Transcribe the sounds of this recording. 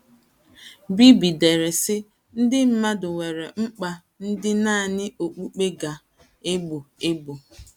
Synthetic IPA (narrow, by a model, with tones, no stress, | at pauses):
bi˦bi˨de˨ɾe˨sɪ˦ | n̩˦dɪ˦m̩˦ma˦dʊ˨we˨ɾe˨ŋ͡m̩˦k͡pa˨ | n̩˦dɪ˦na˦a˨nɪ˦ʔo˨k͡pu˦k͡pe˦ɡa˨ | e˦ɡ͡bʊ˨e˦ɡ͡bo˨